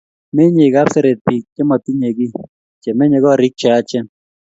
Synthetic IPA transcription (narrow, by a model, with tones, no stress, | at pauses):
me˦ɲe˨ka˦psɛ˦ɾe˨t̪̚pi˨k̚t͡ʃɛ˦mɔ˨ti˦ɲe˨ɡi˦ | t͡ʃe˨me˦ɲe˨ɡɔ˦ɾɪ˦k̚t͡ʃɔ˨a˦t͡ʃɛ˦n